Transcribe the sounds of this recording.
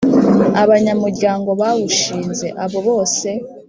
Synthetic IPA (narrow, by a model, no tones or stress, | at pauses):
aβaɲamuɾɟaːŋɡo̞βawuʃiːnze̞ʔaβo̞βo̞ːse̞